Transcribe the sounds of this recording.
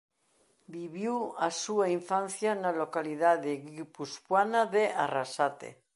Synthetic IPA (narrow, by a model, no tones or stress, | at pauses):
biβiwasuaiɱfan̟θjanalokaliðaðeɣipuspwanaðeʔarasat̪ḛ